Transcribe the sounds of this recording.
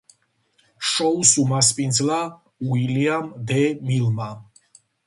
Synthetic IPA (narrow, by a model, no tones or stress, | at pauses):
ʃɔusumaspʼind̪zla | uiliamd̪ɛmilma